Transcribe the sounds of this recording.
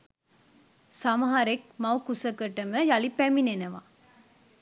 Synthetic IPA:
sɐmɐɦaɾek̚mɐwkusɐkəʈːɐməjalipæminenɐʋa̰ː

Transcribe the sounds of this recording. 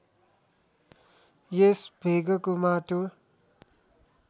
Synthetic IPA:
jesbʱeɡʌkomat̪o

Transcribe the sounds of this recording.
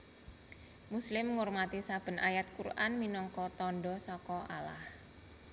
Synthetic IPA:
muslɪmŋormat̪isab̥ə̤najat̪̚kurʔanminɔŋkɔt̪ɔnɖɔsɔkɔʔa̰la̰h

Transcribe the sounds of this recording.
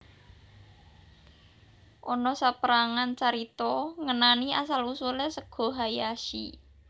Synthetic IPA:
ʔɔnɔsapəɾaŋant͡ʃaɾit̪ɔŋənaniasalusulɛsəɡ̥ɔ̤ɦajaʃḭ

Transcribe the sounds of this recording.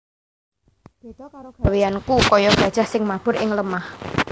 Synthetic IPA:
awejankukɔjɔɡ̥ad̥ʒ̥a̤hsɪŋmab̥ʊ̤ɾʔɪŋləmah

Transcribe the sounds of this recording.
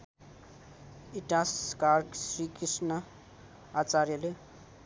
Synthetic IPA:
iʈaskarksrikrisnʌ | at͡sarjʌle

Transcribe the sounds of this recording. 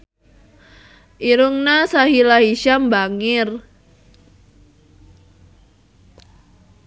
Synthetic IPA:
ʔiɾuŋnasaɦilaɦiʃambaŋɪr

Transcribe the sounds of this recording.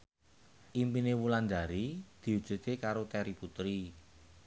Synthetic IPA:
ʔimpinewuland̪a̤ɾid̪̥i̤ud̥d͡ʒ̥ṳt̪ekaɾot̪ɛɾiput̪ɾi

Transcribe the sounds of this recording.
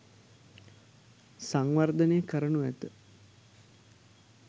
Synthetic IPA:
saŋʋard̪əneːkəɾənuæt̪ə

